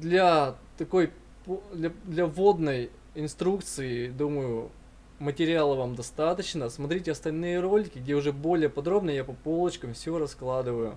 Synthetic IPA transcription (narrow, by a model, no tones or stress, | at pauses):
d̪lʲat̪ɐko̞j | pod̪lʲɐd̪lʲɐvo̞d̪nəj | ɪnst̪ɾukt̪sɨɪd̪uməjʊ | mətʲɪɾʲɪalˠəvamd̪ɐst̪at̪ət͡ɕnəsmɐt̪ɾʲitʲɪɐst̪ɐlʲnɨjəɾo̞lʲɪkʲɪɡ̚dʲeʊʐɛbo̞lʲɪjəpɐd̪ɾo̞bnəjapɐpo̞lˠət͡ɕkəmfsʲoɾɐsklˠad̪ɨvəjʊ